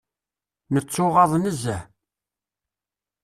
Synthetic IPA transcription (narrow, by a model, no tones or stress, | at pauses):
nət͡sːʊʁɑðˤnəzæ